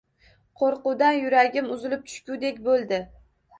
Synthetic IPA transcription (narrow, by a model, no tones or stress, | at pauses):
qʰoɾqʊd̪anjʊɾaɡʲɪmʊzɪlɪp̚t͡ʃ̪ʰʊ̥ʃkʲud̪e̞kʲbolˠd̪ɪ